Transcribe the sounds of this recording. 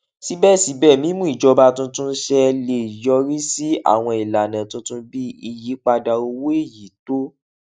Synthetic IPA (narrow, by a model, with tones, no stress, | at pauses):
si˨˦bɛ˦˨si˨˦bɛː˦˨mĩ˨˦mũ˦i˦˨d͡ʒɔ˧ba˧tũ˧tũ˦ʃɛ˧le˧˨i˨jɔ˧ɾi˦si˦a̰˦˨w̃ɔ̃˧i˨la˨nã˨tũ˧˦tũ˦bi˦i˧ji˨˦k͡pa˧da˧o˧we˦˨ji˨˦to˦